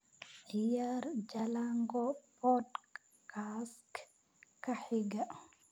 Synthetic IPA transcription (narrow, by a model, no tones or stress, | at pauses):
ijaɾd͡ʒalaŋɡɔpɔd | kask | kaħiɡa